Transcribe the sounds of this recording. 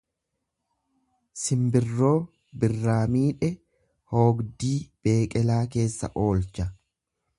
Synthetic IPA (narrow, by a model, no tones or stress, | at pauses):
sɪmbɪrːo̞ː | bɪrːaːmiːᶑɛ | ho̞ːɡd̪iːb̥e̞ːkʼɛlaːk̬e̞ːsːɐ̰ʔo̞ːlt͡ʃɐ